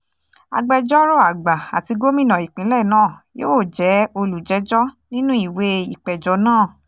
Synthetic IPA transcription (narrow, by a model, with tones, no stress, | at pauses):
a̰˧ɡ͡bɛ˧d͡ʒɔ˦ɾo˦˨a˨ɡ͡ba˨a˨ti˧ɡo˦mĩ˦˨nã˨i˨k͡pĩ˨˦lɛ˦˨nãː˦˨joː˦˨d͡ʒɛ˨˦o˧lu˨d͡ʒɛ˨˦d͡ʒɔ˦ | nĩ˦nũ˦i˦˨we˧˦i˨k͡pɛ˨d͡ʒɔ˨˦nãː˦˨